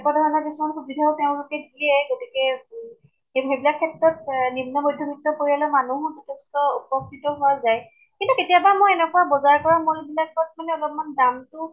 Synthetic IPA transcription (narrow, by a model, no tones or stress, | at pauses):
ɛkadʱaɔnabismɔnxubidʱaʊteʊ̃lʊkɛdijɛɡotikɛ | eɦebilakʰːɛtɹɔtnimnɔmɔjdʱjɔbʱitːɔkoɹialɔmanuɦʊzɔtʰɛstɔupɔktitɔɦʊazaj | kintuketijabamojɛnɛkɔwabɔzaɹkɔɹamɔlbilak̚ːɔt̚ʰmalɛɔlɔpɔmandamtʊ